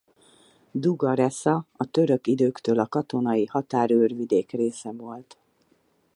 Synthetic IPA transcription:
d̪uɡɒɾɛsɒɒt̪ø̞ɾø̞kid̪øːkt̪øːlɒkɒt̪o̞nɒjihɒt̪aːɾørvid̪eːkreːsɛvo̞lt̪

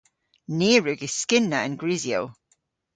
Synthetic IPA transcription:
neːɹʉɡɪz̥skɪnːəə̃nɡɹizio̰

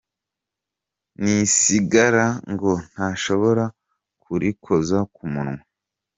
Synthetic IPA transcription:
nisiɡaɾaŋɡo̞n̥haːʃo̞βo̞ɾa | kʰuɾikʰo̞zakumuɾŋwe

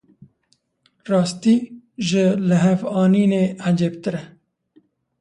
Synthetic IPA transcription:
ɾɑːst̪iʒəlɐɦefɑːniːnead͡ʒep̚t̪ɾe

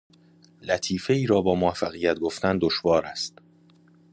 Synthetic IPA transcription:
læt̪ʰiːfe̞iːɾɒːbɒːmoæfːæɣijæt̪̚ɡoft̪ænd̪oʃvɒːɾæst̪

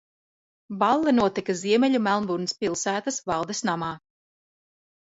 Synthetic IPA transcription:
balˠːɛnuɔt̪ikaziɛmɛʎʲumælˠmbuɾnispilˠsæːt̪asvɑlˠd̪esnamɑː

